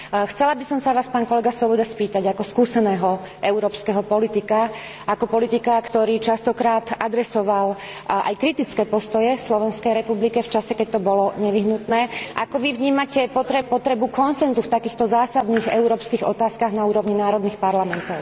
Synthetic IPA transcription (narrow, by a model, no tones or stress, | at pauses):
xt͡sɛlabisɔmsaʋaːspaːnkɔlɛɡasʋɔbɔd̪aspiːt̪aɟakɔskuːsɛnɛːɦɔ | ʔɛʊɾɔːpskɛɦɔpɔlit̪ika | ʔakɔpɔlit̪ikakt̪ɔɾiːt͡ʃast̪ɔkɾaːt̪ʔad̪ɾɛsɔʋal | ʔa̰jkɾit̪it͡skɛːpɔst̪ɔjɛfslɔʋɛnskɛjɾɛpublikɛft͡ʃasɛkɛc̚t̪ɔbɔlɔɲɛʋiɦnut̪nɛːʔa̰kɔʋivɲiːmacɛpɔt̪ɾɛpɔt̪ɾɛbukɔnsɛnzuft̪akiːxt̪ɔzaːsad̪niːɣɛʊɾɔːpskiɣɔt̪aːskaɣnauːɾɔʋɲinaːɾɔd̪niːxpaɾlamɛnt̪ɔʊ